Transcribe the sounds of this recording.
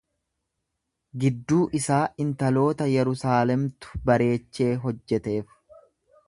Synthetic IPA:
ɡɪd̪ːuːʔɪsaːʔɪnt̪ɐlo̞ːt̪ɐjɛɾʊsaːlɛmt̪ʊ̥bɐɾe̞ːt͡ʃːe̞ːɦɔd͡ʒːɛt̪e̞ːf

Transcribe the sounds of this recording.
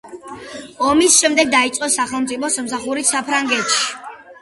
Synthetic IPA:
ɔmisʃɛmd̪ɛɡ̚d̪ait̪sʼqʼɔsaχɛlˠmt̪sʼipʰɔsamsaχuɾisapʰɾaŋɡɛt̪ʃi̥

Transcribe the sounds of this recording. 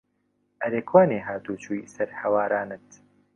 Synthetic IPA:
ʔɐɾekʰwaːneːɦaːt̪uːt͡ʃuːjsɐɾhɐwaːɾaːnɨt̪

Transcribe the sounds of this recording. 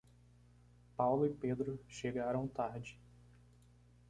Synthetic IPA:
pawlʊɪped̪ɾʊʃeɡaɾɐ̃w̃t̪aɾd͡ʒɪ

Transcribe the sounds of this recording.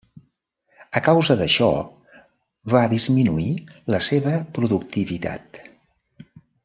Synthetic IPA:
əkawzəðəʃɔ̰ | βaðizminuiləseβəpɾuðuk̚t̪iβit̪a̰t̪

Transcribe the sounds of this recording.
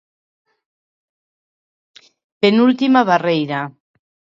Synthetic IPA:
penult̪imaβarejɾa

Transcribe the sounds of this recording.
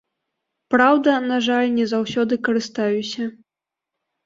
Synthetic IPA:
pɾawd̪ɐnaʐalʲnʲɛzawsʲɔd̪ɨkɐɾɨst̪ajusʲɐ

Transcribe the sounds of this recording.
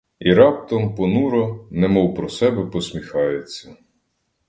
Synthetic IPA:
iɾɑp̚t̪ɔmpɔnuɾɔnɛmɔwpɾɔsɛbɛpɔsmʲixɑjet͡sʲːɐ

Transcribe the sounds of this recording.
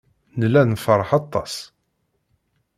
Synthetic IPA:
nəlːænfəɾˤħɑt̪ˤːɑ̰s

